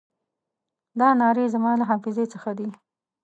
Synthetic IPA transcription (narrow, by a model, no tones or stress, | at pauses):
d̪ɑnɑɾezamɑlaɦɑfɪzet͡səxad̪i